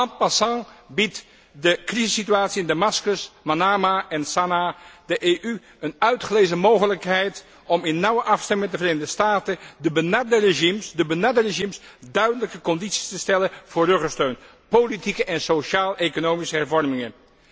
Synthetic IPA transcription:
ɑn̚pasɑ̃bit | dəkrizəsityaːtsiɪndamɑskəsmanaːmaɛnsanadəʔeːʔy | ənœɥtχəlejzəmowɣələkɦɛjt | ʔɔmɪnːɑwəʔɑfstɛmɪŋɛtdəvreːnədəstaːtədəbənadəreʒimsdəbənadəreʒims | dœɥdənləkəkɔnditsi̥stəstɛləv̥ʊːɹrøχəstøɥn | politikəʔɛnsoʃaːlˠekonoːwmisəɦɛɹvɔrmɪŋən

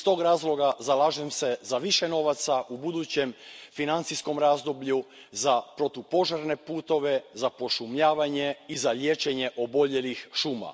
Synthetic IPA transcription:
ist̪o̞ːɡɾaːzlˠo̞ɡazalaːʒemse̞zaʋiʃe̞no̞ʋat̪saʔubud̪ut͡ɕe̞mfinant̪sisko̞mɾaːzd̪o̞bʎu | zapɾo̞t̪upo̞ʒaɾne̞puːt̪o̞ʋe̞zapo̞ʃumʎaːʋaɲe̞izalje̞ːt͡ʃe̞ɲe̞ʔo̞bo̞ʎe̞lixʃuːma̰

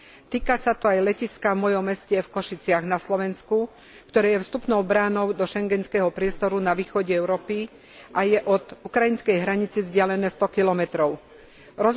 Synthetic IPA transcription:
t̪iːkasat̪ɔajlɛciskavmɔjɔmːɛscɛfkɔʃit͡sɪaɣnaslɔʋɛnsku | kt̪ɔɾɛːjɛfst̪upnɔʊbɾaːnɔʊd̪ɔʃɛŋɡɛnskɛɦɔpɾɪɛst̪ɔɾunaʋiːxɔɟɛɛʊɾɔːpi | ʔajɛʔɔd̪ukɾainskɛjɦɾaɲit͡sizɟɪalɛnɛːst̪ɔkilɔmɛt̪ɾɔʊ | ɾɔz

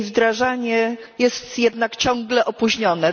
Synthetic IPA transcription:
vd̪ɾaʐaɲɛjɛst̪jɛd̪nakt͡ɕɔ̃ŋɡlɛʔɔpuʑɲɔnɛ

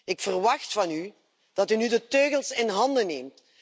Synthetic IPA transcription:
ɪkfərʋɑxtfɑny | d̥ɑtynydətøːɣəlˠsɪnɦɑndəneːmt

